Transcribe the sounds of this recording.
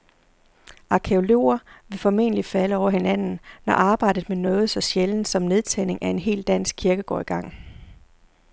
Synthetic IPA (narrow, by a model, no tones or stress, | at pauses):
ʔɑ̈kʰeo̝lo̝̰ːɐʋe̝fɒ̽me̝̰ːnəlifæləɒʊɐhe̝næn̰n̩nɒʔɑ̈ːb̥ɑ̈ɪ̰d̥ð̩ˠmenɔ̽ːð̞̩ˠsɒ̽ɕjeln̩sɒ̽mne̝ð̞ˠt͡sʰæ̰ne̝ŋʔæe̝nɦe̝̰ːld̥æn̰sɡ̥̚kʰiɐɡ̥əɡ̥ɒ̰ːiɡ̥ɑ̈ŋ̰